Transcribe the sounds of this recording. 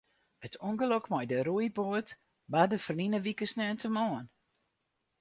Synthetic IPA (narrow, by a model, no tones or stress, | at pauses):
ətʰuŋɡəlokmɔjdəɾujboət | badəfərlinəʋikəsnøːntəmɔːən